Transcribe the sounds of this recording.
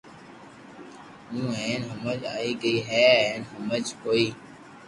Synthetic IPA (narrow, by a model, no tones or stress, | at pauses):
ɦũːẽːnɦʊməd͡ʒaːiːɡəiːɦɛːẽːnɦʊməd͡ʒkoːiː